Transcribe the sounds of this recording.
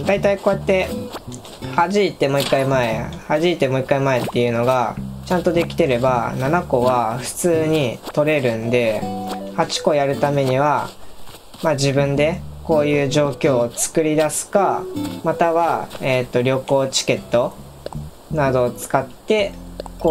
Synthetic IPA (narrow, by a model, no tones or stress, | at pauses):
d̪ait̪aiko̞ːjat̪ːe̞ | haʑit̪ːe̞mo̞ːikːaimae̞haʑiit̪e̞mo̞ikːaimae̞t̪ːe̞jɯ̟no̞ɡat͡ɕãnt̪o̞d̪e̞kʲi̥t̪e̞ɾe̞bananako̞βaɸɯ̟̥t͡sɨːɲ̟it̪o̞ɾe̞ɾɯ̟̃nd̪e̞hat͡ɕi̥ko̞jaɾɯ̟t̪ame̞ɲ̟iβa | mad͡ʑibɯ̟̃nd̪e̞ko̞ːjɯ̟ːʑo̞ːkʲo̞ːt͡sɨ̥kɯ̟ɾʲid̪asɨ̥kamat̪aβae̞t̪ːo̞ɾʲo̞ko̞ːt͡ɕi̥ke̞t̪ːo̞ | nad̪o̞ːt͡sɨ̥kat̪ːe̞ko